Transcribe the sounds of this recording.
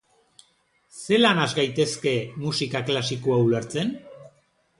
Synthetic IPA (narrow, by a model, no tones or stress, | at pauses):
se̞lanazɡajt̪e̞ske̞musikaklasikoauleɾt͡se̞n